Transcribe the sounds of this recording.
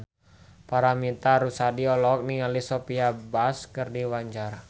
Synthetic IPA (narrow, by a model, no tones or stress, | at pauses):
paɾamit̪aɾusadiɔlɔk̚niŋalisɔpiabaskərdiwaɲd͡ʒara